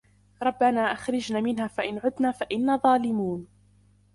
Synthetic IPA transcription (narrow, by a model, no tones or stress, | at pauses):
ɾˤɑbːanaːʔaxɾˤɪd͡ʒnaːmɪnɦaːfaʔɪnʕʊd̪naːfaʔɪnːaːðˤɑːlɪmuːn